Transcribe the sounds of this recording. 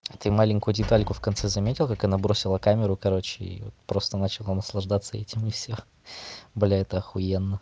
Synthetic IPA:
at̪ɨmalʲɪŋʲkʊjʊdʲɪt̪alʲkʊfkɐnt̪sɛzɐmʲetʲɪlˠkakɐnabɾo̞sʲɪlˠəkamʲɪɾʊkɐɾo̞t͡ɕːɪḭvo̰t̪pɾo̞st̪ənat͡ɕɪlˠənəslˠɐʐd̪at̪səɛtʲɪmɪfsʲo | bɨlʲaɛt̪əxʊjɛnːə

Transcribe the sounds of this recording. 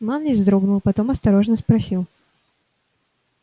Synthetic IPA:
manlʲɪzd̪ɾoɡnʊlˠpɐt̪o̞mɐst̪ɐɾo̞ʐnəspɾɐsʲilˠ

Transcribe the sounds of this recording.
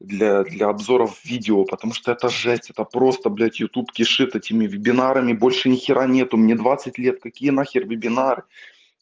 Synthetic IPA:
d̪lʲad̪lʲɐɐbzo̞ɾəfvʲidʲɪopət̪ɐmuʂt̪oɛt̪əʐɛsʲtʲɛt̪əpɾo̞st̪əblʲætʲjʊt̪upkʲɪʂɨt̪ɛtʲɪmʲɪvʲɪbʲɪnaɾəmʲɪbo̞lʲʂɨnʲɪxʲɪɾʔanʲet̪ʊmnʲɪd̪vat̪sɨtʲlʲet̪kɐkʲijənaxʲɪrvɪbʲɪnaɾɨ

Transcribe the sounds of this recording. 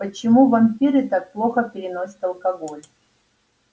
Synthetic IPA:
pət͡ɕɪmuvɐmʲpʲiɾɨt̪ak̚plˠoxəpʲɪɾʲɪnosʲə̥t̪ɐlˠkɐɡolʲ

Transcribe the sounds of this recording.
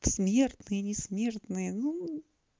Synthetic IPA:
smʲe̞rt̪nɨjənʲɪsmʲe̞rt̪nɨjənu

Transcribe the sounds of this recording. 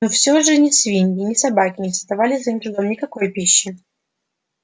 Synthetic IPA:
nofsʲoʐɨnʲɪsvʲinʲɪnʲɪsɐbakʲɪnʲɪsəzd̪ɐvalʲɪzɐimt̪ɾʊɡ̪omnʲɪkɐko̞jpʲiɕːɪ

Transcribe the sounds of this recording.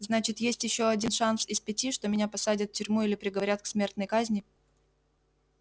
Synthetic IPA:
znat͡ɕɪt̪jesʲtʲjɪɕːo̞ɐdʲinʂansɪspʲɪtʲiʂt̪o̞mʲɪnʲapɐsadʲɪt̪ftʲʏɾʲmuilʲɪpɾʲɪɡəvɐɾʲat̪̚ksmʲe̞rt̪nəjkazʲnʲɪ

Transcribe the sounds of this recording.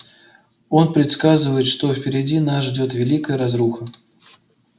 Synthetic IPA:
onpɾʲɪt̪skazɨvəjɪt̪ʂt̪ofpʲɪɾʲɪd͡zʲinasʐd͡zʲɔt̪vʲɪlʲikəjəɾazɾuxə

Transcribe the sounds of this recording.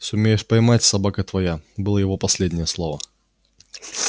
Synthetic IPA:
sʊmʲejɛʂpɐjmat͡sʲsabakət̪vajabɨlˠɐjɐvɔpɐsʲlʲedʲnʲɛjɛslˠɔvɐ

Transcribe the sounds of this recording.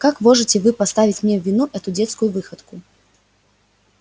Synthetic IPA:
kakmɔʐɨt͡sʲɛvɨpast̪avʲit͡sʲmnʲɛwvʲinuʔɛt̪ud͡zʲɛt̪skujuvɨxɐt̪ku

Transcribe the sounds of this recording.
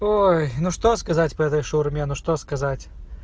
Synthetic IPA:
ojnuʂt̪oskɐzatʲpɐɛt̪əjʂurmʲenuʂt̪oskɐzatʲ

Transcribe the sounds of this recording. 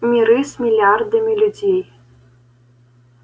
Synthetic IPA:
mʲiɾɨsmʲilʲard̪ɨmʲilʲudʲej

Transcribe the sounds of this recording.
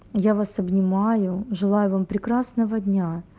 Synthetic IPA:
javasɐbnʲɪmajʊʐɨlˠajʊvampɾʲɪkɾasnəvədʲnʲa

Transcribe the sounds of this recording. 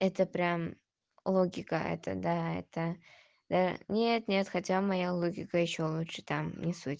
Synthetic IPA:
ɛt̪əpɾʲam | lˠoɡʲɪkəʔɛ̰t̪ə̰d̪aɛ̰t̪ə | d̪̥anʲet̪nʲe̞t̪xɐtʲamɐjalˠoɡʲɪkəjɪɕːolˠutʂɨ̥t̪amnʲɪsutʲ

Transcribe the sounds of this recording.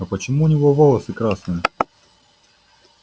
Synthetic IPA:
ɐpət͡ɕɪmuːnʲɪvovolˠəsɨkɾasnɨjə

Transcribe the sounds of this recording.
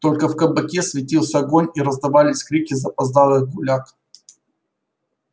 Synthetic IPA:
t̪o̞lʲkəfkəbɐkʲesvʲɪtʲilˠsʲəɐɡonʲiɾəzd̪ɐvalʲɪsʲkɾʲikʲɪzɐpɐzd̪alˠɨɡʊlʲak

